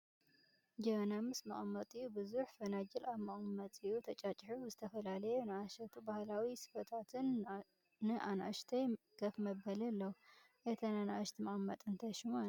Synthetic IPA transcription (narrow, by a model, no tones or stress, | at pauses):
d͡ʒənamɨsma̰ʔmːət̪ʼijubɨzuħfənad͡ʒɛlʔaβmaʔmət̪ʼijut̪ʰət͡ʃʼat͡ʃʼħizɨt̪ʰəfəlaləjɛnaʃət̪ʰubahlawisɨ̥fət̪ʰat̪ʰɨnː | ɨʔana̰ʃt̪ʰəj | ɡ̥əfməbːəlɛlːəhu | jɛt̪ʰənanaʃt̪ʰmaʔmːət̪ʼɨnt̪ʰəʃmua